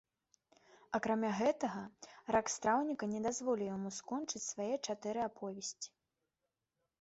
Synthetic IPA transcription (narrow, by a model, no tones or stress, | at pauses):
akɾamʲaɣɛt̪ɐɣɐrakst̪ɾawnʲikɐnʲɛd̪azvɔlʲijamuskɔnt͡ʂɨt͡sʲsvajɛt͡ʂat̪ɛɾɨapʰɔvʲɛsʲt͡sʲi̥